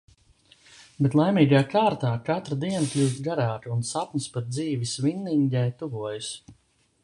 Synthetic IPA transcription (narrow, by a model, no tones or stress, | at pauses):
bet̪lˠajmiːɡaːkaːɾt̪aːkat̪ɾad̪iɛnaklʲuːt̪ɡaɾaːt̪iunsapnʲɨspat̪̚d̪ziːvisvinːiɲɟɛjt̪uvuɔjas